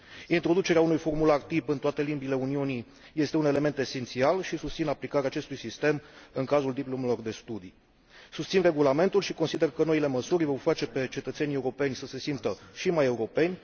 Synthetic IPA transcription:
int̪ɾo̞d̪ut͡ʃe̞ɾeaunujfo̞rmulart̪ipɨnt̪oat̪e̞limbile̞uniuni | je̞st̪e̞une̞le̞me̞nt̪e̞se̞nt̪sialʃisust̪sinaplikaɾeaːt͡ʃe̞st̪ujsist̪e̞mɨŋkazuld̪iplomelo̞rd̪e̞st̪ud̪i | sust̪sinre̞ɡulame̞nt̪ulʃiko̞nsid̪e̞rkəno̞ile̞məsurʲvo̞rfat͡ʃe̞pe̞t͡ʃe̞t̪ət̪se̞nʲe̞uɾo̞pe̞nʲsəse̞simt̪əʃimaje̞uɾo̞pe̞nʲ

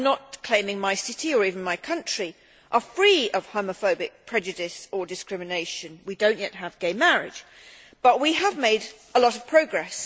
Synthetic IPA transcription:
nət̚kʰl̥ẽɪ̃mɪ̃ŋmaɪsɪɾiə˞iṽn̩maɪkʰʌ̃nt͡ʃɹ̥i | ʔə˞fɹiʌv̥hoʊ̃məfoʊbɪk̚pʰɹ̥ɛd͡ʒɨdɪsə˞dɨskɹ̥ɪmɨneɪʃɨ̃nwidõʊ̃nʔjɛt̚ɦəvɡeɪmæɹɪ̰d̥d͡ʒ | b̥ʌʔ̚wiəvmeɪɾ | əlɔɾʌv̥pʰɹ̥oʊɡɹɛs

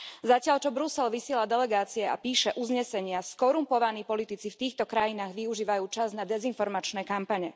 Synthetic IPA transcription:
zacɪaʎt͡ʃɔbɾusɛlʋisɪɛlad̪ɛlɛɡaːt͡siɛa̰piːʃɛʔuzɲɛsɛɲɪaskɔɾumpɔʋaniːpɔlit̪it͡sift̪iːxt̪ɔkɾajinaːɣʋiuʒiːʋajuːt͡ʃaznad̪ɛzinfɔɾmat͡ʃnɛːkampaɲɛ

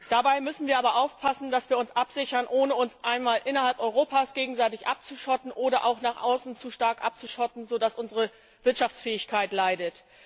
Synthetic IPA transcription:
d̥abaɪmʏsn̩viːɐʔaːbɐʔaʊfpʰasn̩dasv̥iːɐʊnsʔapz̥ɪçɐnʔoːnəʊnsʔaɪnmaːlʔɪnɐhalpʔɔʏʁoːpʰaːsɡ̥eːɡŋ̩zaɪtɪçʔa̰p̚t͡suʃɔtn̩ʔoːɾɐʔa̰ʊxnaːχʔaʊsn̩t͡suʃtaɐkʔa̰p̚t͡suʃɔtn̩zoːdasʔʊnzəʁə | v̥ɪɐtʃaft͡sfɛːɪçkʰaɪtlaɪdət

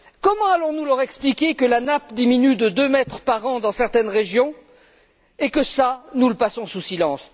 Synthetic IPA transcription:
kɔmɑ̃alɔ̃nulœʁɛksplikʲekəlanapd̪iminyd̪əd̪ømɛt̪χəpaʁɑ̃d̪ɑ̃sɛʁt̪ɛnʁeʒjɔ̃ | ekəsanuləpasɔ̃susilɑ̃s

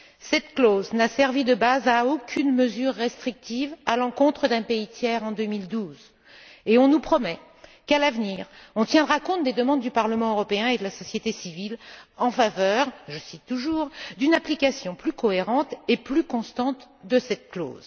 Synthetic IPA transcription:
sɛt̪kloznasɛʁvid̪əbazaokʰʲynməzyʁːest̪χik̚t̪ivalɑ̃kɔ̃t̪χəd̪ɛ̃peit̪jɛʁɑ̃d̪ømild̪uz | eɔ̃nupχɔmɛ | kalavniʁɔ̃t̪jɛ̃d̪ʁakɔ̃t̪̚d̪ed̪əmɑ̃d̪ːypaʁləmɑ̃øʁɔpeɛ̃ed̪əlasɔsjet̪esivilɑ̃favœʁʒəsit̪ːuʒuʁd̪ynaplikasjɔ̃plykɔeʁɑ̃t̪eplykɔ̃st̪ɑ̃t̪d̪əsɛt̪̚klo̰z

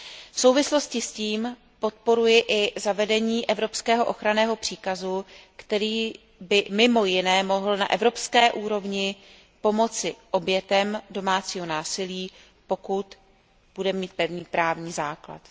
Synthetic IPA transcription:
fsowvɪslo̞scɪsciːm | po̞t̪̚po̞ɾujɪʔɪzavɛdɛɲiːʔɛvɾo̞pskɛːɦo̞ʔo̞xɾanɛːɦo̞pr̥iːkazukt̪ɛɾiː | bɪmɪmo̞jɪnɛːmo̞ɦl̩na̰ʔɛvɾo̞pskɛːʔuːɾo̞vɲɪ | po̞mo̞t͡sɪʔo̞bjɛt̪ɛmdo̞maːt͡siːɦonaːsɪliː | po̞kut̪ | b̥udɛmiːt̪̚pɛvɲiːpɾaːvɲiːzaːkla̰t̪

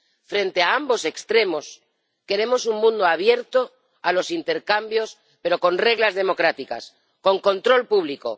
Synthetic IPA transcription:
fɾe̞nt̪eaambo̞se̞kst̪ɾe̞mo̞s | ke̞ɾe̞mo̞suŋmũnd̪oaβ̞je̞ɾt̪o | alo̞sint̪e̞ɾkambjo̞s | pe̞ɾo̞ko̞nre̞ɣlazðe̞mo̞kɾat̪ika̰s | ko̞ŋko̞nt̪ɾo̞lpuβ̞liko̞̰

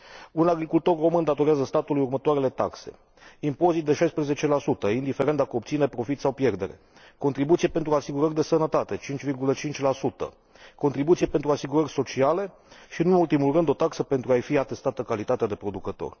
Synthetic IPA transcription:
unaɡɾikult̪o̞rro̞mɨnd̪at̪o̞ɾazəst̪at̪ulujurmət̪oaɾele̞t̪a̰kse̞̰ | impo̞zit̪̚d̪e̞ʃajspɾeze̞t͡ʃe̞lasut̪əind̪ifeɾent̪akəop̚t̪sinepɾo̞fit̪sawpje̞rd̪e̞ɾe̞̰ | ko̞nt̪ɾibut̪sijepe̞nt̪ɾuasiɡuɾərʲd̪e̞sənət̪at̪e̞t͡ʃint͡ʃʲvirɡulət͡ʃint͡ʃʲlasut̪ə̰ | ko̞nt̪ɾibut̪sie̞pent̪ɾuasiɡuɾərʲso̞t͡ʃiale̞ | ʃiɨnnult̪imulrɨnd̪ot̪aksəpe̞nt̪ɾuajfiat̪e̞st̪at̪əkalit̪at̪ead̪e̞pɾo̞d̪ukət̪o̰rʲ

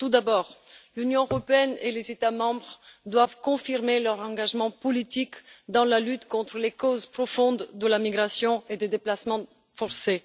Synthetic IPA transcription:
t̪ud̪abɔːʁlynjɔ̃øʁɔpeɛnelezet̪amɑ̃bʁd̪wavkɔ̃fiʁmelœʁɑ̃ɡaʒmɑ̃pɔlit̪ikd̪ɑ̃lalyt̪kɔ̃t̪χəlekozpχɔfɔ̃d̪ːəlamiɡʁasjɔ̃ed̪ed̪eplasmɑ̃ | fɔʁse

